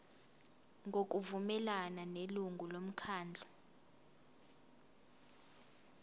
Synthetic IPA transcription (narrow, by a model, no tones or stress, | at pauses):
ŋɡʱok̬ʼuvumɛlananeluŋɡulom̩kʰaːnd͡ɮʱɔ